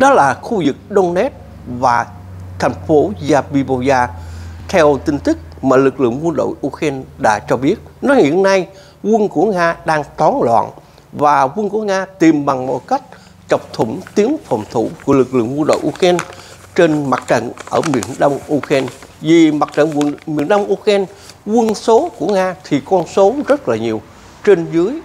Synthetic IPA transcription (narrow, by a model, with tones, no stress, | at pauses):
ɗɔ˨˦laː˨˩xu˧zɨ˨˩k̚ɗo˧ŋ͡mnɛ˦˥t̚ | vaː˨˩ | t̪ʰa˨˩jŋ̟fo˨˦zaː˧vi˧ɓo˧zaː˧t̪ʰɛ˧wt̪ï˧ŋ̟t̪ɨ˦˥k̚maː˨˩lɨ˨˩k̚lɨ̰˧˨əŋwə˧nɗo̰˧˨jʔu˧xɛ˧nɗa̰ː˧˥t͡ɕɔ˧ɓi˦˥ət̚nɔ˨˦hḭ˧˨ənna˧j | ɣwə˧nku˧˩əŋaː˧ɗaː˧ŋt̪ɔ˨˦nlwa̰ː˧˨n | vaː˨˩ɣwə˧nku˧˩əŋaː˧t̪i˨˩mɓa˨˩ŋmo̰˧˩ka˦˥jk̟̚ | t͡ɕə˨˩wk͡p̚t̪ʰʊ˧˩ŋ͡mt̪i˨˦ənfə˨˩wŋ͡mt̪ʰu˧˩ku˧˩əlɨ˨˩k̚lɨ̰˧˨əŋkwə˧nɗo̰˧˨jʔu˧xɛ˧n | t͡ɕe˧nma˨˩t̚t͡ɕə̰˧˨nʔəː˧˩mḭ˧˩ənɗə˧wŋ͡mʔu˧xɛ˧nvi˨˩ma˨˩t̚t͡ɕə̰˧˨nw̰mḭ˧˩ənɗə˧wŋ͡mʔu˧xɛ˧n | ɣwə˧nso˨˦ku˧˩əŋaː˧t̪ʰi˨˩kɔ˧nso˨˦zə˦˥t̚laː˨˩ɲi˨˩əw | t͡ɕe˧nzɨ˨˦əj